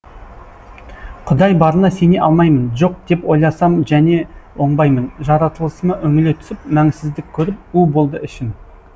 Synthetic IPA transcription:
qʰʊd̪ɑjbɑɾənɑse̞ne̞ʔɑlˠmɑjmənʒo̞q̚d̪̥e̞po̞jlˠɑsɑmʒæne̞wo̞ɴbɑjmənʒɑɾɑt̪əlˠəsəmɑʔɵŋɪle̞t̪ʰʏ̥sɪpmæŋsɪzd̪ɪk̚ʲʰːɵɾɪp̚ʉbo̞lˠd̪əɪʃɪn

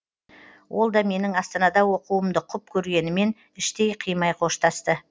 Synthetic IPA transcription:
wʔo̞lˠd̪ɑme̞nɪŋɑst̪ɑnɑd̪ɑwo̞quwəmd̪əqʰʊp̚kʲʰɵɾɡʲe̞nɪme̞n | ɪʃt̪e̞jqʰijmɑjqʰo̞ʃt̪ɑst̪ə

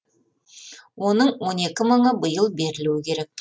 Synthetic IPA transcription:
wonəɴwo̞ne̞kʲɪməɴəbəjəlˠbe̞ɾɪluwɪkʲʰe̞ɾe̞k̚

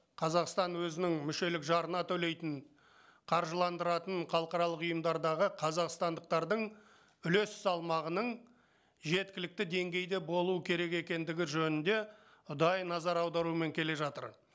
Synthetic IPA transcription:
qʰɑzɑqst̪ɑnwɵzɪnɪŋmʏʃe̞lɪkʒɑɾənɑt̪ʰɵle̞jt̪ɪn | qʰɑɾʒəlˠɑnd̪əɾɑt̪əɴχɑlˠəqɑɾɑlˠəqʊjəmd̪ɑɾd̪ɑʁəqʰɑzɑqst̪ɑnd̪əq̚t̪ɑɾd̪əɴ | ʏle̞sɪzɑlˠmɑʁənəɴ | ʒe̞t̪̚kʲɪlɪk̚t̪ɪd̪e̞ŋɡʲe̞jd̪e̞bo̞lˠuəkʲʰe̞ɾe̞ke̞kʲe̞nd̪ɪɡʲɪʒɵnɪnd̪e̞ | ʊd̪ɑjnɑzɑɾɑwd̪ɑɾuəme̞ŋkʲʰe̞le̞ʒɑt̪ə̰ɾ

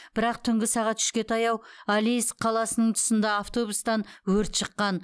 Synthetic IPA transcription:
b̥ɪɾɑq̚t̪ʰʏŋɡʲɪsɑʁɑt̪ʃʏ̥ʃkʲe̞t̪ʰɑjɑwalijsqʰɑlˠɑsənəɴt̪ʰʊ̥sənd̪ɑːft̪o̞bust̪ɑnwɵɾt̪ʃəqːɑn

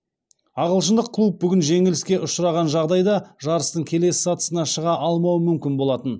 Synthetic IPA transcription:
ɑʁəlˠʃ̬ənd̪əqqʰːlˠup̚bʏɡʲɪnʒe̞ŋɪlɪskʲe̞ʔʊʃɾɑʁɑnʒɑʁd̪ɑjd̪ɑʒɑɾəst̪əɴkʲʰe̞le̞sɪ̥sɑt̪ə̥sənɑʃəʁɑʔɑlˠmɑwəmʏmkʲɪnbo̞lˠɑt̪ən

